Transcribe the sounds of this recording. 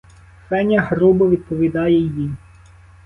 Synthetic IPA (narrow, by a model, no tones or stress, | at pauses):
fɛnʲɐɦɾubʊʋʲid̪̚pɔʋʲid̪ɑjɛjij